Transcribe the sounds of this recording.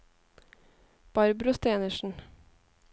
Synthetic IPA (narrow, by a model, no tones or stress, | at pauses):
b̥ɑɾbɾʊst̪eːnəʃn̩